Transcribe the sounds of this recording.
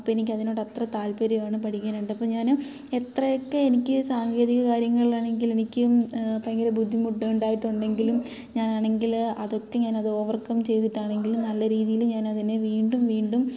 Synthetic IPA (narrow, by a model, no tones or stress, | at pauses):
ɐpːoːenikʲːɐðino̞ːɽɐt̪rɐt̪aːlpɐɾijaːɳɨpɐʈʰikʲːaːnuɳɖɐpːoːɲaːn | e̞t̪rɐjokːeenikʲːɨsaːŋɡe̞ːðiɣɐkaːɾjɐŋːɐɭilaːɳe̞ŋɡile̞nikʲːɨpɐɐŋɡɐɾebud̪ʱːimuʈːɐuɳɖaːjiʈːuɳɖe̞ŋɡilum | ɲaːnaːɳe̞ŋɡilɐðo̞t̪ːeɲaːnɐðɨo̞ːʋɐrkːɐmt͡ɕe̞jt̪iʈːaːɳe̞ŋɡilumnɐlːɐɾiːðijilumɲaːnɐðineʋiːɳɖumʋiːɳɖum